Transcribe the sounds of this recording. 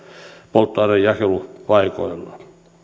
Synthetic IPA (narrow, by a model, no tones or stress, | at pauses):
polt̪ːɑinejjɑhelupɑiko̰ilːɑ